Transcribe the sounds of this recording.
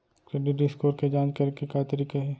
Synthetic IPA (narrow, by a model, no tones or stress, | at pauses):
kɾeːɖɪʈɖɪskoːɾked͡ʒãːd͡ʒkɐɾkekat̪ɐɾiːkaɦɛː